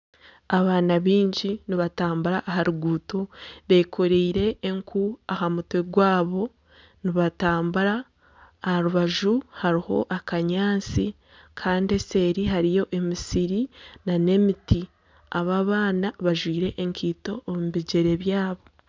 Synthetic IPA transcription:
aβaːnaβiːɲɟiniβataːmbuɾaʔːɦaɾuɡuːtoβe̞kʰoɾeiɾe̞ːŋkʰuahamutweɡwaːβo̞ | niβataːmbuɾaː | haɾuβaʒuhaɾiho̞̰ʔakaɲaːt͡si | kʰaːndie̞se̞ːɾiɦaɾijo̞ʔe̞misiɾinane̞miti | aβaːβaːnaβaʒwiːɾe̞ʔeŋkʰiːto̞ːmuβiɟe̞ɾe̞βjaːβo̞

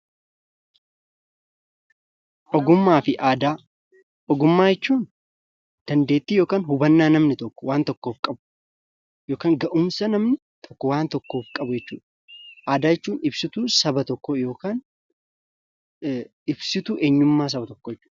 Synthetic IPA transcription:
ʔɔɡʊmːaːfɪʔaːd̪aː | ʔɔɡʊmːaːjɛt͡ʃːuːn | d̪̥ɐnd̪e̞ːt̪ːiːjo̞ːkaːnɦʊbɐnːaːnɐmnɪt̪ɔkːɔ̥waːnt̪ɔkːo̞ːfkʼɐbʊ̥ | jo̞ːkaːŋɡɐʔʊmsɐnɐmnɪ | t̪ʰɔ̥kːɔwaːnt̪ɔkːo̞ːfkʼɐbʊjɛt͡ʃːuːᶑɐ̥ | ʔaːd̪aːjɛt͡ʃːuːnɪbsɪt̪uːsɐbɐt̪ɔkːɔjo̞ːkaːn | ɪbsɪt̪uːʔeːɲːʊmːaːs̬ɐbɐt̪ɔkːɔjɛt͡ʃːuːᶑɐɐ̥

